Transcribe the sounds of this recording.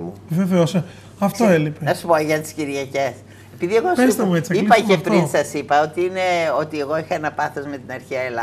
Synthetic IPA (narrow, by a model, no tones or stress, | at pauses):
veveose | ɐft̪oelipenɐsu̥poʝɐt̪i̥sciɾʝɐce̞s | e̞piðieɣoseɾst̪ɐmuet͡siipɐepɾinsɐsipɐo̞t̪iine̞o̞t̪ie̞ɣo̞ixɐenɐpɐθozme̞t̪inɐɾçiɐelɐ